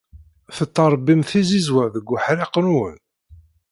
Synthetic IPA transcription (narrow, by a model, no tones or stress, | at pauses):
θət̪ˤːəɾˤbimθizizwæðəɡʷːʊħɾiqənwə̰n